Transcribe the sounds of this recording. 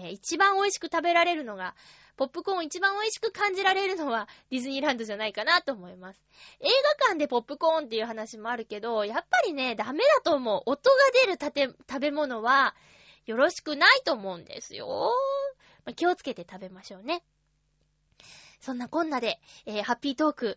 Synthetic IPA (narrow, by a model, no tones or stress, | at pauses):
eit͡ɕibãɰ̃o̞iɕi̥kɯ̟̥t̪abe̞ɾaɾe̞ɾɯ̟no̞ɡa | po̞pːɯ̟kõ̞it͡ɕibãɰ̃o̞iɕi̥kɯ̟kãɲ̟d͡ʑiɾaɾe̞ɾɯ̟no̞βaɾʲizɨɲ̟iɾãnd̪o̞d͡ʑanaikanat̪o̞ːmo̞imasɨ̥e̞ːɡakãnd̪e̞po̞pːɯ̟kõ̞ːnt̪ːe̞jɯ̟ɦanaɕimo̞aɾɯ̟ke̞d̪o̞japːaɾʲine̞d̪ame̞d̪at̪o̞ːmo̞ʔːt̪o̞ɡad̪e̞ɾɯ̟t̪at̪et̪abe̞mo̞no̞βa | jo̞ɾo̞ɕi̥kɯ̟nait̪o̞ːmo̞ɯ̟̃nd̪e̞̰sɨjo̞̰ | makʲio̞t͡sɨ̥ke̞t̪e̞t̪abe̞maɕo̞ːne̞ | sõ̞nːakõ̞nːad̪e̞eːhapʲːiːt̪o̞ːkɯ̟